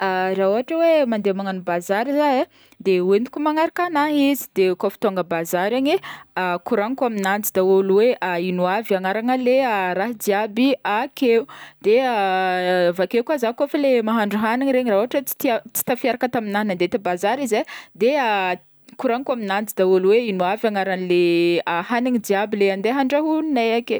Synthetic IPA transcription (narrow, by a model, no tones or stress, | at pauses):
arauɦaʈ͡ʂəwemand̪emaŋanubazaɾizae | d̪ewenukʲumaŋaɾakanaɦizi̥d̪ekofi̥t̪oaŋɡəbazaɾaɲeakuɾaŋkaminand͡zid̪aoluweʔainuaviaŋaɾaŋəlearaɦid̪iabiakeud̪̥ea | vakekwazakoafalemaɦaɳɖ͡ʐuɦaniɲɾeɲiraɦuaʈ͡ʂət͡si̥t̪t͡si̥t̪afiaɾakət̪aminaɦnand̪et̪abazaɾizad̪ea | kuɾaŋkwaminand͡zid̪aolweinuavjaŋaɾanileahaniɲid̪iabileand̪eɦaɳɖ͡ʐaɦunnajake